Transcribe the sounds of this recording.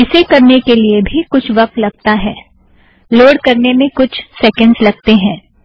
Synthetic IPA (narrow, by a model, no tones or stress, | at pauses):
ɪsekɐɾnekeliebʱikʊt͡ʃʰʋɐq̚t̪lɐɡ̚t̪aɦɛː | loːɽkɐɾnemẽkʊt͡ʃʰsɛːkə̃ɳɖzlɐɡ̚t̪eɦɛ̃ː